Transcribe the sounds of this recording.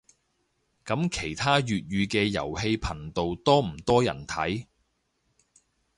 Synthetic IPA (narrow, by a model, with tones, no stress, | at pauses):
kɐ˨˥mkʰe˨˩jt̪ʰaː˥jyː˨t̚jyː˧kɛː˧jɐ̰˨˩whe˧jpʰɐ˨˩nt̪o˨wt̪ɔː˥m̩˨˩t̪ɔː˥jɐ̰˨˩nt̪ʰɐ˨˥j